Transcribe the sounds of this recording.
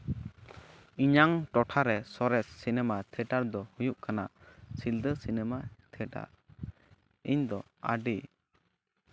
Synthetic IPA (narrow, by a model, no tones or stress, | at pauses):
iɲaŋʈɔʈʰaɾɛsɔɾɛsːinɛmat̪ʰɛʈaɾd̪ɔhujuʔkʰanasild̪əsinɛmat̪ʰɛʈa̰ | iɲd̪ɔ | a̰ɖi